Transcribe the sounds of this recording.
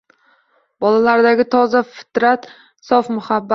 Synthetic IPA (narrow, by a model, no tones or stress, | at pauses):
b̥ɒlalaɾd̪aɡʲɪt̪ʰɒzafɪ̥t̪ɾat̪ | sɒfmʊhabːa